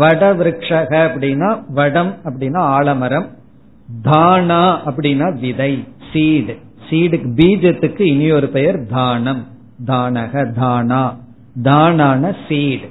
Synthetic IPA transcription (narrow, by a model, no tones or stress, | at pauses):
ʋɐɽɐʋɪɾɯkʂɐɣɐɐpːɐɽɪnːaːʋɐɽɐmɐpːɐɽɪnːaːaːɭɐmɐɾɐm | d̪ʱaːɳaːɐpːɐɽɪnːaːʋɪðɐɪsiːɽ | siːɽɯkːbiːd͡ʒɐt̪ːɯkːɯɪnɪjoːɾɯpɛjɐɾd̪ʱaːnɐm | d̪aːɳɐɣɐd̪ʱaːnaː | d̪aːnaːnɐsiːɽ